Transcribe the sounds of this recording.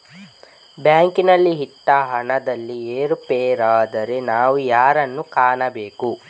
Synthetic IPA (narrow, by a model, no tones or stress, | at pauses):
bjaːŋkinɐlːiɦiʈːaɦɐɳɐd̪ɐlːieːɾupeːɾaːd̪ɐɾe̞naːʋujaːɾɐnːukaːɳɐbeːku